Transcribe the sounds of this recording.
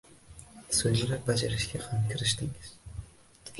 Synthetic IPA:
sɵjlaɾak̚ʲbad͡ʒaɾɪʃkʲahamkʲʰɪɾɪʃt̪ɪŋɪz̥

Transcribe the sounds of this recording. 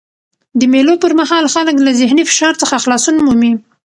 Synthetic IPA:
d̪əmelopəɾmahɑlxaləklazɪhnifɪ̥ʃɑɾt͡səxaxlɑsunmumi

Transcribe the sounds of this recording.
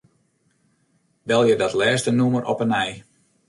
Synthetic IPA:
bɛlˠjədɔtlɛːstənumərʔɔ̰pənɛj

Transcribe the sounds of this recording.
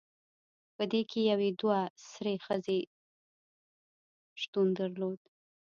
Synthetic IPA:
pəd̪ekʰejawed̪wasɾexəze | ʃt̪und̪əɾlod̪

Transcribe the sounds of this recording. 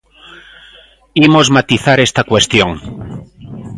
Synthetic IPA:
imozmat̪iθaɾest̪akwest̪joŋ

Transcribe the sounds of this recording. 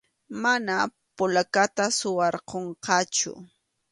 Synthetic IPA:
mana | pʊlakat̪asʊwɑɾqoɴqɑt͡ʃʊ̰

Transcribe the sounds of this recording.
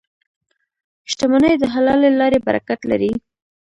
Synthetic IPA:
ʃʈamanəjd̪əɦalɑlelɑɾeba̰ɾa̰kat̪la̰ɾi

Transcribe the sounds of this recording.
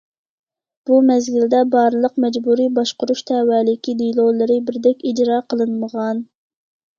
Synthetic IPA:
b̥umɛzɡʲild̪ɛbɑɾɨlˠəqmɛd͡ʒbuɾibɑʃqʊɾuʃt̪ʰɛwæːlɪkʲʰid̪ijlˠolˠɨɾɨbɪɾd̪ɛkʲid͡ʒɾɑːqʰəlˠɨnməʁɑn

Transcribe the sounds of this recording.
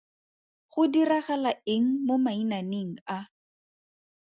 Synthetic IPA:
χʊdiraχalaɪŋ̩momainaneŋ̩a

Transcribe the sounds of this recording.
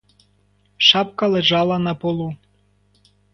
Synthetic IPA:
ʃɑp̚kɑleʒɑlˠɑnɑpolˠu

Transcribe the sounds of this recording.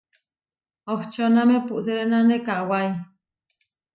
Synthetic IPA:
oht͡ʃonamepuʔseɾenanekaʔwai

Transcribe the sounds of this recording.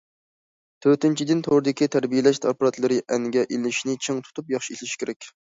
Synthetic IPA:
t̪ʰøɾt̪ɪnt͡ʃʰid̪ɪnt̪ʰoɾɨd̪ɪkʲit̪ʰæɾbijelɛʃt̪ʰɑpɾɑt̪lˠɨɾɪʔɛnɡʲɛʔelɪʃnɪt͡ʃʰeŋt̪ʰu̥t̪ʰupjɑχʃiisʲlɪʃkʲʰeɾɛkʲ

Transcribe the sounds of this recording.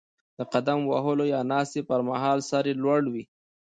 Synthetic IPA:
d̪̥əqad̪amwaɦəlojɑnɑst̪epəɾmaɦɑːlsaɾelwaɽwi

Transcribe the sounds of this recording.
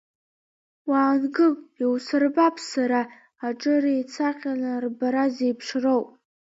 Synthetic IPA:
waːnɡɨmiwsɨrbapʰʼsaɾaː | ʈ͡ʂʼɨrejt͡sʰaqʲʼalarbaɾazejpʰʂrowpʼ

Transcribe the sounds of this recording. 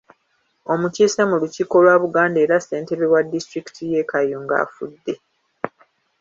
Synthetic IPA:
o̞muciːsamuluciko̞lwaːβuɡaːnde̞ːɾase̞ːnte̞βewadːistɾiki̥tʰijeːkʰajoŋɡa̰ːfudːe̞

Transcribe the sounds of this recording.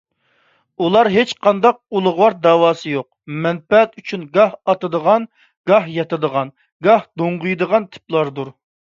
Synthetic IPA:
ulˠɑɾɦet͡ʃqʰɑnd̪ɑq̚ulˠʊʁwɑɾd̪ɑːwɑːsɨjoq̚mɛnpɛt̪yt͡ʃʰynɡɑhɑt̪ɨd̪əʁɑn | ɡ̥ɑhjɑt̪ɨd̪əʁɑn | ɡɑhd̪oɴʁʊjd̪əʁɑnt̪ʰɪ̥plˠɑɾd̪uɾ

